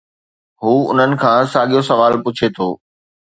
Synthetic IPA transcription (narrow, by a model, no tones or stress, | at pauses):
ɦuːʊ̰n̤ənɪ̆kʰãːsaːɠijosɐʋaːlpʊt͡ɕʰet̪ʰoː